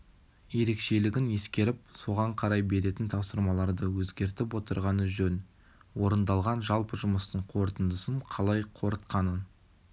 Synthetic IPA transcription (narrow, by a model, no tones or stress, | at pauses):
je̞ɾe̞kʃe̞lɪɡʲɪne̞skʲe̞ɾɪp̚so̞ʁɑɴqʰɑɾɑjbe̞ɾe̞t̪ɪnt̪ʰɑwsəɾmɑlˠɑɾd̪əwɵzɡʲe̞ɾt̪ɪpwo̞t̪əɾʁɑnəʒɵn | wo̞ɾənd̪ɑlˠʁɑnʒɑlˠpəʒʊməst̪əɴqʰo̞ɾt̪ənd̪əsənqʰɑlˠɑjqʰo̞ɾət̪qɑnən